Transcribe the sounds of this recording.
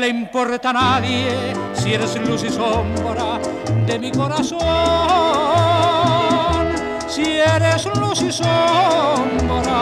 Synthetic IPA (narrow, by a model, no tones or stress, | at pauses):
leimpoɾt̪analje | sieɾeslusisomboɾa | d̪emikoɾaso | n | sieɾeslusiso | mboɾa